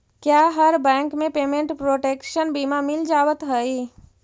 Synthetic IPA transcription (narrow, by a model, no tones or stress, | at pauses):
kjaːɦəɾbɛ̃ːŋkmẽpeːmẽɳʈpɾoːʈeːkʃənbiːmamɪld͡ʒaːwət̪ɦəi